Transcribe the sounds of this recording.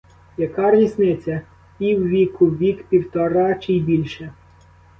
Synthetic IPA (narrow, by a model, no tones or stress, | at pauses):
jɐkɑrʋʲisnɪt͡sʲɐ | iwʋʲikʊʋʲikpʲiwt̪ɔɾɑt͡ʃɪjbʲilʲʃɛ